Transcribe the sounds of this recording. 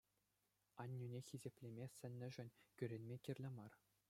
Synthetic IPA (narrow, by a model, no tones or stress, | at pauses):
ɑnʲːynʲexʲizʲepʲlʲemʲesʲɘ̆nʲːɘ̆ʐɘ̆nʲkʲyɾʲenʲmʲekʲirʲlʲɘ̆mɑr